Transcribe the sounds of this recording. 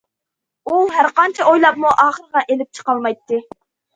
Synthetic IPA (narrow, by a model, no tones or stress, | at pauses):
uɦæɾqɑnt͡ʃʰɛʔojlˠɑp̚muʔɑːχəɾəʁɑʔelɪp̚t͡ʃʰə̥qɑlˠmɑjt̪ːɨ